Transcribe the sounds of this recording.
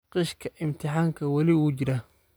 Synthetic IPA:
qɪʃkʰɐʔɪmt̪ʰɪħaːŋkʰɐwɐlɪwuːt͡ʃɪɾaː

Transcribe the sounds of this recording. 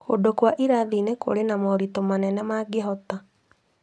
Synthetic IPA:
odokwaʔiɾaðineko̰ɾenamɔɾitomanɛnɛmaːɡeɦɔta

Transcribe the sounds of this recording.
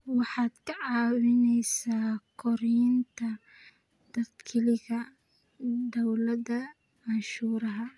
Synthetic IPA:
wɑħɑːd̪̥kʰɐʕɑːwɪnɛjsaːkʰɔɾint̪ʰɐ | d̪̥ɐd̪kʰɪlɪɣɐ | d̪ɔwlɐdɐ | ʕɑʃuːɾɐɦɐ

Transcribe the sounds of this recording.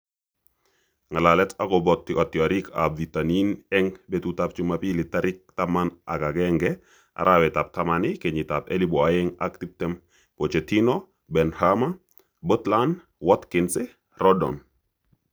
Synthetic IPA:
ŋalalɛtakɔbɔtːiʔɔtːiaɾika̰bvitaninɛŋbetutap̚t͡ʃumapilitaɾik̚tamana̰ɡaɡɛŋɡɛ | a̰ɾʔawɛtap̚tamanikeɲitapḛliboajɛŋa̰k̚tip̚tɛm | kot͡ʃetino | bɛnhama | botlan | wɔtkinsɛ | rɔdɔ̰n

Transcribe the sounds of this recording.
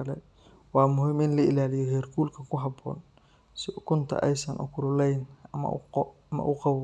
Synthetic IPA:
ɐlɛ | wɑːmʊɦiːmɪnlɐɪlaːlɪjɔɦɛːrkʰuːlkʰɐkʰʊɦɑbɔ̰ːn | sɪkʰʊnt̪ʰɐ̰ʔɛ̰jsɐnʔʊ̰kʰʊɾʊlɛjnɐmɐ̰ʊ̰qɐmɐ̰ʔʊqɑβ

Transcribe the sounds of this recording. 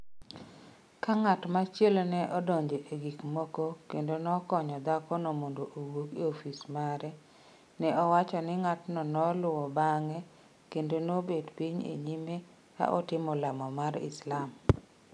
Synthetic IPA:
kaŋatmat͡ʃjelonɛʔɔdɔɲd͡ʒoʔeɡikmokokendonɔkɔɲɔd̪akɔnomondoʔowokiofismaɾɛ | nɛɔwat͡ʃɔnɪŋatnɔnɔlʊwɔbaŋɛ | kendonobedpiɲḛɲime | ka̰ʔɔtɪmɔlamɔmaɾɪ̰slam

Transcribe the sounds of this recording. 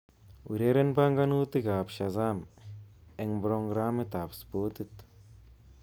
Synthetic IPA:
ʔṵɾeɾenbaŋɡanut̪iɡaːpʃazam | eŋbɾoŋɡɾaːmit̪aːpspot̪it̪

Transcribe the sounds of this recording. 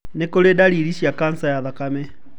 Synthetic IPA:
nekoledaliɾiʃjakansajaðakame

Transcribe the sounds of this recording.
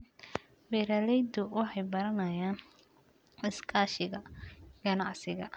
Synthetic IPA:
bɛɾalɛjd̪ʊwɑħɑjbɐɾɐnɐjaːn | ɪskʰaːʃɪɣɐɡ̥ɐnɑʕsɪɣɐ

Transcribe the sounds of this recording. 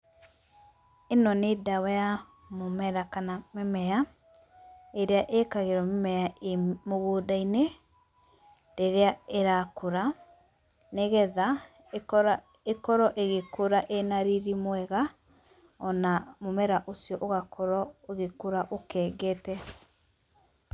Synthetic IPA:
enɔnedawaja | momɛɾakanamemɛa | eɾeaʔekaɣeɾɔmemɛamoɣoːdaine | deɾeaeɾakʰoɾa | neɣɛða | ekɔɾɔʔeɣekoɾaʔenaɾiɾimwɛɣa | ɔnamomɛɾaʔosjɔʔoɣakʰɔɾɔoɣekoɾaʔokɛɡɛtɛ

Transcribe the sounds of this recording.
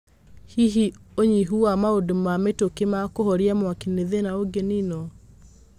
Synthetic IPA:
hiɦioɲiɦuamaodomametokemakoɦɔɾiamwakineðenaoɡeninɔ

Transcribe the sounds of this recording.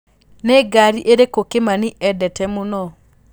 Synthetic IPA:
neɡaɾiʔeɾekokemaniʔɛdɛtɛmonɔ

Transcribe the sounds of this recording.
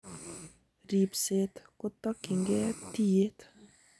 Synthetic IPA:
ripset̪kʊt̪ɔkːiŋɡet̪ijet̪

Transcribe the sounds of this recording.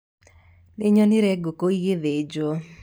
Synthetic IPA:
lɪɲɔnɪɾɛɡokoiɣɪðed͡ʒo

